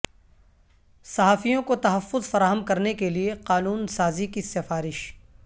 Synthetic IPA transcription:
sɐɦaːfijõkot̪ɐɦɐfːʊzfɐɾaːɦəmkɐɾnekelieqaːnuːnsaːzikisɪfaːɾɪʃ

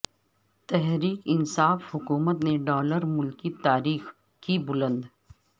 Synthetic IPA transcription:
t̪ɛɦɾiːkɪnsaːfhʊkuːmət̪neɖɔːləɾmʊlkit̪aːɾiːx | kibʊlə̃nd̪

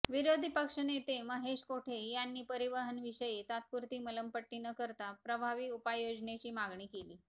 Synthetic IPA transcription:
ʋiɾod̪ʱipəkʂənet̪eməɦeʂkoʈʰejanːiːpəɾiʋəɦənʋiʂəjit̪at̪̚kuɾt̪iːmələmpəʈːinəkəɾt̪apɾəbʱaʋiupajod͡ʑɳjet͡ɕiːmaɡɳiːkeliː

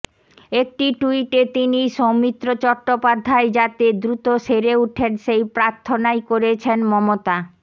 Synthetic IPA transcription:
ek̚ʈiʈuiʈet̪iniʃomit̪ːɾot͡ɕɔɾʈːopad̪ʱːaed͡ʑat̪ed̪ɾut̪oʃeɾeuʈʰeɾʃejpɾaɾt̪ʰːonajkoɾet͡ɕʰenmɔmot̪a

